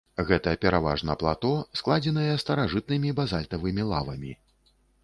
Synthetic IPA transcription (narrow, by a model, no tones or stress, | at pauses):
ɣɛt̪ɐɐpʲɛɾava̰ʐnɐplˠa̰t̪ɔsklˠad͡zʲɛnɐjɛst̪ɐɾaʐɨt̪̚nɨmʲibazalʲt̪ɐvɨmʲilˠavɐmʲḭ